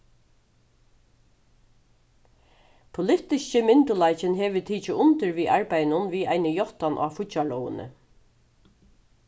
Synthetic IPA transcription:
pʰʊlɪt̪ɪʃcəmɪnt̪ʊlajt͡ʃɪnɦɛːʋɪt̪ʰiːt͡ʃɪʊnt̪ɪɹʋiːʔaɹpajnʊnʋiːa̰ɪnəjɔht̪anʔaːfʊt̪t͡ʃalɔwə̰nə̰

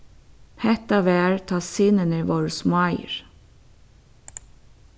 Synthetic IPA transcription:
hɛt̪ɑʋeæɹt̪ʰɑːsɪnənəʋɔɹsmɑɪɹ

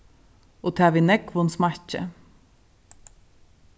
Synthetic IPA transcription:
oːt̪ʰæːʋɪnɛkʋonsmɑçə̰

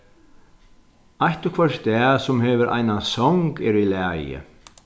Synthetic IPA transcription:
ajht̪ʏkʰvɛr̥t̪ɛːsumhɛvʏɾʔa̰jnasɔwŋkɛɾilɛːjɪ̰

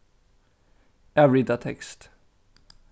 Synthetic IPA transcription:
ɛvɹid̪at̪ʰɛkst̪

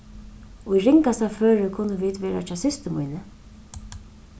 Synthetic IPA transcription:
ujɾɪŋkast̪aføːɾɪkʰʊnːəʋiːd̪ʋeːɾat͡ʃaːsɪst̪əmṵjnə

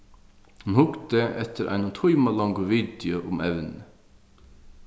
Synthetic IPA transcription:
hunhʊɡd̪əɛt̪ʰəɾʔæ̰ɪnət̪ʰɔʏmɑlɑŋɡʊʋid̪jʊʔʊmɛʋnə

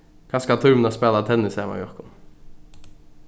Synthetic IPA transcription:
kʰɑːskɑt̪ʰʉɾmənɑspeːlɑt̪ʰɛnɪseːmɑ̰jɔɾkʊn

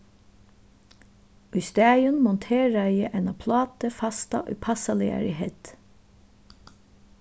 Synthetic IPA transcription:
ʉst̪æːjʉnmɔnt̪ʰeːɹæjəʔɛnɑpʰlɑːt̪əfɑst̪ɑ̰ʔʉ̰pʰɑsɑlɪ̰æ̰ːɹɪheːt̪

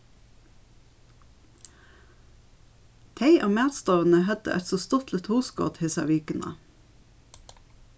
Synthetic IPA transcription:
t̪ʰeɪʔoːmeːt̪st̪ɑʋən̩əhɛd̪ə̰ʔɛt̪soːst̪ɔt̪lɪt̪huːsko̰ːt̪hɪsɑ̰ʋikənʔə̰

